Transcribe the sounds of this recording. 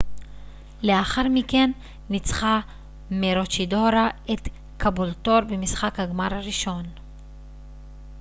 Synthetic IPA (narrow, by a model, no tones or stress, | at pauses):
leaχaʁmike̞nː | it͡sχa | meɾo̞t͡ʃido̞ɾaet̪ | kabolto̞ɾbemisχakhaɡmaɾhaʁiʃo̞n